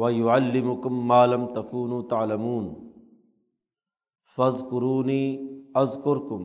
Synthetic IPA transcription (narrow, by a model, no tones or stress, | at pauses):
wajʊʕalːɪmʊkʊmːaːlamt̪akuːnuːt̪aʕlamuːn | fazkʊɾuːniːʔazkʊɾkʊm